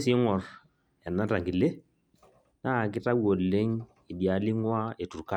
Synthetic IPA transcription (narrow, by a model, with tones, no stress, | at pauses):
si˦ŋɔ˨r | ɛ˨na˦ta˨ŋɡi˨le˦ | na˦˨kɪ˦ta˦wo˨lːe˦ŋ | i˨di˨a˨˦li˦ŋwa˦e˨tu˨ɾka˦